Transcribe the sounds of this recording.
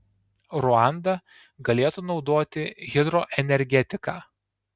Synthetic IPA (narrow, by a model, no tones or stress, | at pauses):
ɾʊɑˑnd̪ɐ | ɡɐlʲeːt̪uːnɒʊd̪oːt̪ʲɪɣʲɪd̪ɾɔʔɛnʲɛɾʲɡʲɛt̪ʲɪkaː